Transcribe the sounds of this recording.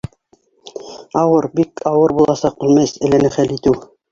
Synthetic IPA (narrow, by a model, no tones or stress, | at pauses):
ɑwɤɾbikʰɑwɤɾbulˠɑsɑqʉlmæsɘ̆lænɘχælit̪ɘw